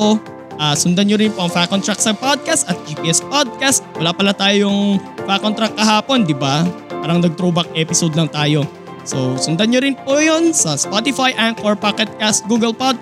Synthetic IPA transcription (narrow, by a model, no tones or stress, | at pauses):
o | ʔaːsʊnd̪anɲoɾɪnpoʔɐŋfakont̪ɾɐk̚sɐpod̪̚kɐst̪ɐt̪̚d͡ʒipiʔɛspod̪̚kast̪wɐlaːpɐlat̪aːjojʊŋfakont̪ɾɐk̚ːɐɦaːpo̞nd̪ɪbapaːɾɐŋnɐɡ̚t̪ɾuːbɐk̚ʔɛːpɪsod̪lɐŋt̪aːjo̞ | sosʊnd̪anɲoɾɪnpojonsɐspot̪ɪfajʔankʔoɹpakɛt̪̚kast̪̚ɡuːɡɐlpod̪̚k